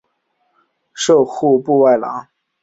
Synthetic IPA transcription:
ʂo˥˧ʊxu˥˧pu˥˧wa˥˩ɪlɑ̰˧˥˦ŋ

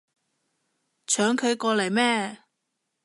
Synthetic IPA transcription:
t͡ʃʰœː˨˥ŋkʰɵ˨˧ɥkɔː˧lɐ˨˩jmɛː˥

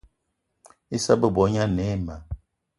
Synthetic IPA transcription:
i˦sa˦bə˦bɔ˨˦ɲa˦˨nɛ˨˦ma˨

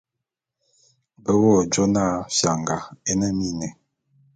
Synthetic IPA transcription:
bə˦wo˦˨d͡ʒo˦na˦˨fja˨ŋɡa˨e˦nə˦mi˦˨nɛ˨

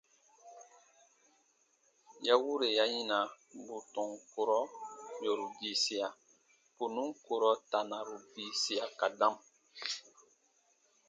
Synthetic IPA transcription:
ja˦wu˦ɾe˨ja˦ɲĩ˦nã˨ | bu˨tɔ̃˨ŋko˦ɾɔ˦jo˨ɾu˨bi˨si˨a˨ | po˨nũ˦ko˨ɾɔ˦ta˨na˨ɾu˨bi˨si˦ja˨ka˨dã˦m˨

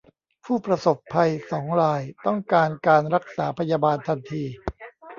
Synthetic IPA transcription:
pʰuː˥˩pɾa˧so˨˩pʰːa˧jsɔː˩˦ŋɾaː˧jt̪ɔ˥˩ŋkaː˧nkaː˧nɾa˦˥k̚saː˩˦pʰa˧jaː˧baː˧nt̪ʰa˧nt̪ʰiː˧

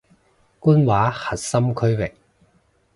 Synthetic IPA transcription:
kuː˥nwaː˨˥hɐ˨t̚sɐ˥mkʰɵ˥ɥwɪ˨k̚

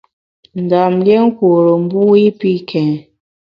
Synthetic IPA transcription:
n̩˨da˨mlje˦ŋ̩˦kwo˨ɾo˨m˦bu˦i˦pi˦kʰɛ̃˨

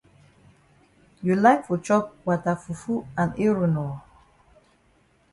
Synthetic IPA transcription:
julaɪkfɔ˨t͡ʃɔ˦p̚wa˨ta˨fu˨fu˦ã˨ni˦ɹunɔ˨

